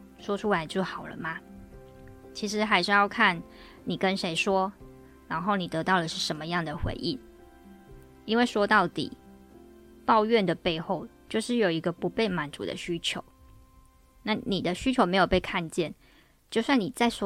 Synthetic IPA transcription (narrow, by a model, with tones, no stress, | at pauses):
ʂwɔ˥ʈ͡ʂʰu˥la˧˥ɪt͡ɕjo˥˩ʊxɑ˨˩ʊlə̰˦ma˦ | t͡ɕʰi˧˥ʂɻ̩˧˥xa˧˥ɪʂɻ̩˥˧jɑ˥˧ʊkʰa˥˩n | ni˨˩kə˦nʂe˧˥ɪʂwɔ˥ | ɻa˧˥nxo˥˩ʊni˨˩t̪ɤ˧˥t̪ɑ˥˩ʊd̪ə˩ʂɻ̩˥˩ʂə˧˥mə˧jɑ˥˩ŋd̪ə˩xwḛ˧˥ɪʔi˥˩n | i˥nwe˥˩ɪʂwɔ˥t̪ɑ˥˩ʊt̪ḭ˨˩ | pɑ˥˧ʊɥɛ˥˩nd̪ə˩pe˥˧ɪxo˥˩ʊt͡ɕjo˥˧ʊʂɻ̩˥˩jo˨˩ʊi˧˥ɡə˧pu˧˥pe˥˩ɪma˨˥nt͡sṵ˨˩d̪ə̰˨ɕy˥t͡ɕʰjo˧˦ʊ | na˥˩ni˨˩d̪ə˦ɕy˥t͡ɕʰjo˧˥ʊme˧˥ɪjo˨˩ʊpe˥˧ɪkʰa˥˧nt͡ɕjɛ˥˨n | t͡ɕjo˥˧ʊswa˥˩ni˨˩t͡sa˥˩ɪswɔ˥